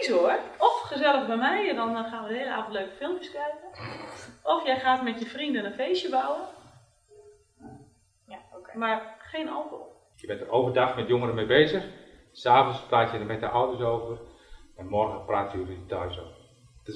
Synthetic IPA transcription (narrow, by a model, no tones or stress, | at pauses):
isoərɔfχəzɛlˠəɣbɛjmɛjdɔnxaːnʋəheələaːvntløːkəfɪlˠmpjəskrɛjkə | ʔɔfjɛjxaːtmɛtjəfrindənənfejsjəbawən | marxeːnɔwtɔ̰ | jəbɛntərowvərdaxmɛtjoŋərəmejbeːzəx | saːvənspraːtjədəmɛtəʔɔwdəsowvər | ɛnmɔrɣəpraːtjəuvədetajsoə